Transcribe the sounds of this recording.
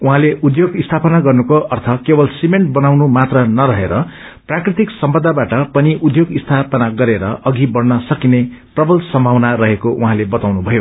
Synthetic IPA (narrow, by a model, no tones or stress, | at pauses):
uɦãleud̪joɡist̪ʰapʌnaɡʌrnukoʔʌrt̪ʰʌkebʌlsimeɳʈ̚bʌnawnumat̪rʌnʌɾʌɦeɾʌ | prakrit̪iksʌmpʌd̪ʱːabaʈʌpʌniʔud̪joɡist̪ʰapʌnaɡʌɾeɾʌʔʌɡʱibʌrnʌsʌkineprʌbʌlsʌmbʱawnaɾʌɦekoʔuɦãlebʌt̪awnubʱʌjo